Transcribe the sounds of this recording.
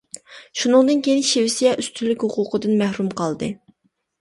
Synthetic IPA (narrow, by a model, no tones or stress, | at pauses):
ʃunɨŋd̪ɨnkʲejinʃewɪsijɛʔyst̪ʰylːykʲhʊqʊqəd̪ɨnmæhɾumqʰɑlˠd̪ɨ